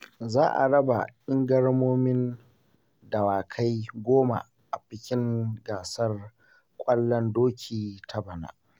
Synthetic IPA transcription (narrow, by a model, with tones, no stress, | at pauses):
zaː˦ʔa̰˨ɽɐ˦ba̰˨ʔɪ˦ŋɡɐ˦ɽmoː˦mɪ˦n | dɐ˨waː˨kʰa˦jɡʷoː˦ma̰˨ | ʔa˨ɸɪ˦kʲɪ˦ŋɡaː˨sɐ˦r | kʷʼɐ˦lːɐ˦ndoː˦kʲʰiː˨tʰa˦bɐ˨na̰ː˨